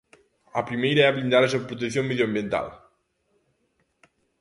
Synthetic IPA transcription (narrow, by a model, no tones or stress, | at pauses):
apɾimejɾeablind̪aɾes̬oβpɾot̪̬ekθiomeðjambjient̪a̰l